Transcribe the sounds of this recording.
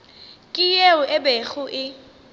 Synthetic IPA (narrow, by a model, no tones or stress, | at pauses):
kʼɪjeʊʔɛbeɣʊʔɪ